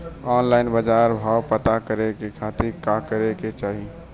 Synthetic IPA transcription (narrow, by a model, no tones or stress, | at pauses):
ɔːnlaɪnbəd͡ʒaːɾbʱaːwpət̪akəɾekekʰat̪iɾkakəɾeket͡ʃaːɦi